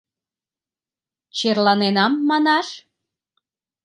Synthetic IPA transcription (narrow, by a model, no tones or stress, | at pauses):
t͡ɕerlɑnenɑmːɑnɑʃ